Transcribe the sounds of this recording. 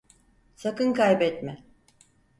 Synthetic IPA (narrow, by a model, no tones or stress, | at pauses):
sakɯnkajbɛt̪mɪ